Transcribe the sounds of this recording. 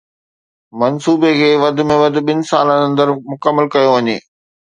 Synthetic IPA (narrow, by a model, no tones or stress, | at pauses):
mɐnsuːbekʰeːʋɐd̪ʱʊ̆mẽʋɐd̪ʱʊ̆ɓɪnɪ̆saːlə̃nɐ̃nd̪əɾmʊkəmːəlkɐjoʋɐɲeː